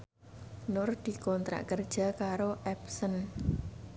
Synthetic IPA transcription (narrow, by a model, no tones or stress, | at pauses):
nʊrd̪̥i̤kɔnt̪ɾa̰ʔkərd̥ʒ̥a̤kaɾoʔɛpsən